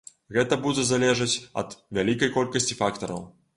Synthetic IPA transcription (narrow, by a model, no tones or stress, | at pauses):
ɣɛt̪ɐbud͡zʲɛzalʲɛʐɨt͡sʲɐ̰t̪vʲalʲikɐjkɔlʲkɐsʲt͡sʲifakt̪ɐɾɐ̰w